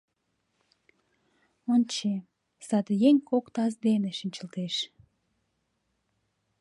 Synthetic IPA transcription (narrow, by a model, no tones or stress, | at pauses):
ont͡ɕe | sɑd̪jeŋʲkokt̪ɑzd̪eneʃinʲt͡ɕəlt̪eʃ